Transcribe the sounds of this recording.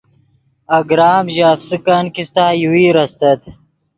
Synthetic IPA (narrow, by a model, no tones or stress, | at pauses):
ɐɡɾaːmʑeːfsikankist̪aːjuwiːɾɐst̪ɐt̪